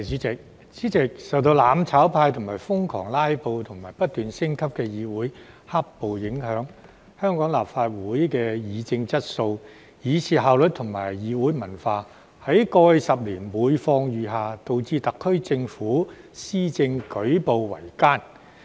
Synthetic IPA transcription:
ɪ˨k̚ | t͡siː˨˥t͡sɪ˨k̚sɐ˨wt̪̬o˧wlaː˨˧mt͡sʰaː˨˥wpʰaː˧jt̪ʰʊ˨˩ŋmaː˨˩jfʊ˥ŋkʰɔ̰ː˨˩ŋlaː˥jpo˨wt̪ʰʊ˨˩ŋmaː˨˩jpɐ˥t̚t̪yː˨nsɪ˥ŋkʰɐ˥p̚kɛː˧jiː˨˧wuː˨˥j | haː˥k̚po˨wjɪ˨˥ŋhœː˨˥ŋ | hœː˥ŋkɔː˨˥ŋla̰ː˨p̚faː˧t̚wuː˨˥jkɛː˧jiː˨˧t͡sɪ˧ŋt͡sɐ˥t̚so˧w | jiː˨˧t͡sʰiː˨ɦaː˨wlɵ˨t̚t̪ʰʊ˨˩ŋmaː˨˩jjiː˨˧wuː˨˥jmɐ˨˩nfaː˧ | hɐ˨˥jkɔː˧jsɐ˨p̚liː˨˩nmuː˨˧jfɔː˧ŋjyː˨ɦaː˨t̪o˨wt͡siː˧t̪ɐ˨kʰːɵ˥ɥt͡sɪ˧ŋfuː˨˥ | siː˥t͡sɪ˧ŋkɵ˨˥ɥpo˨wwɐ̰˨˩jkaː˥n

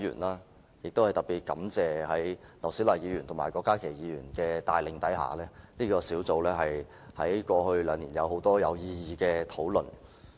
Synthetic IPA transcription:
jy̰ː˨˩nlaː˥ | jɪ˨k̚t̪o˥whɐ˨jt̪ɐ˨˩t̚piː˨˩t̚kɐ˨˥mt͡sɛː˨hɐ˨˥jlɐ˨˩wsi˨˥wlaː˨˩jiː˨˧jyː˨˩nt̪ʰʊ˨˩ŋmaː˨˩jkɔː˧kːaː˥kʰe˨˩jiː˨˧jyː˨˩nkɛː˧t̪aː˨jlɪ˨ŋt̪ɐ˨˥jɦa̰ː˨˩lɛː˥niː˥kɔː˧siː˨˥wt͡so˨˧wlɛː˥ɦɐ˨j | hɐ˨˥jkɔː˧hɵ˧ɥlœː˨˧ŋliː˨˩njɐ̰˨˧who˨˥wt̪ɔː˥jɐ˨˧wjiː˧jiː˧kɛː˧t̪ʰo˨˥wlɵ˨n

